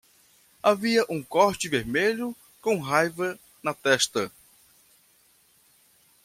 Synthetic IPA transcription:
aviɐʔũkɔɾt͡ʃɪveɾmeʎʊ | kõw̃ɦajvɐ | nɐt̪ɛʃt̪ɐ

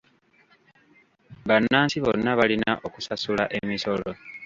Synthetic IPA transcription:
βanːaːnsiβo̞̰nːaβalinaʔo̞kusasulaʔe̞miso̞lo

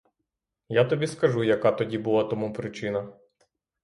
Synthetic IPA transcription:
jat̪ɔbʲiskɐʒujɐkat̪ɔdʲibulˠat̪ɔmupɾɪt͡ʃɪnɐ

